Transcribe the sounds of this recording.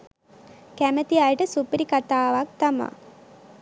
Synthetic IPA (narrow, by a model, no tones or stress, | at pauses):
kæmət̪iajʈəsupiɾikat̪aːʋak̚t̪ama̰